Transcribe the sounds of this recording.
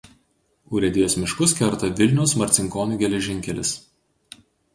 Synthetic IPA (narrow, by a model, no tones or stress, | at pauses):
ʊːɾʲɛd̪ʲɪjoːsmʲɪʃkʊskʲɛɾt̪ɐʋʲɪlʲnʲɛʊsmɐɾʲt̪sʲɪŋkoːnʲuˑɡʲɛlʲɛʒʲɪŋʲkʲɛlʲɪ̰s